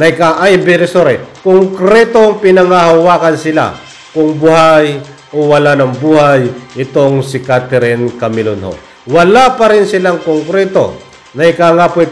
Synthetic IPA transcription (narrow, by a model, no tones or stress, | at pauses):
nakaʔabɛɾɪsoɾɛkʊŋkɾɛt̪oŋpɪnaŋahawaːkansɪla̰ | kʊŋbuhaj | owɐlanɐŋbuːhajɪt̪oŋsikat̪ɛɾɛnkamɪlonho̰ | wɐlapɐɾɪnsɪlaŋkoŋkɾɛt̪o̰ | nɐɪkaŋapo